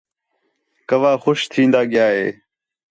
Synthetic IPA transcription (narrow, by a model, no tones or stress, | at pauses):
kəʋaːxʊʃt̪ʰĩːnd̪aːɠɪjaːɦḛː